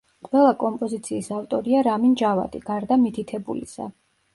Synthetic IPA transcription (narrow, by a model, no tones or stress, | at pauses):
qʼwɛlˠakʼɔmpʼɔzit̪sʰiːsaft̪ʼɔɾiaɾamind͡ʒava̰d̪ʼiɡ̥aɾd̪amit̪ʰit̪ʰɛbulḭsa̰